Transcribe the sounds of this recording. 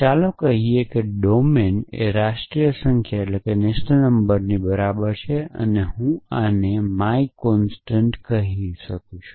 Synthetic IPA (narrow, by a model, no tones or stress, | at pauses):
t͡ʃalõkəɦiekeɖomenḛɾaʃʈɾijəsəŋkʰjaeʈlekenɪʃt̪ʰənəmbəɾnibəɾabəɾt͡ʃʰeə̰neɦũanemaikɔnsʈəɳʈkəɦiʃəkũt͡ʃʰu̥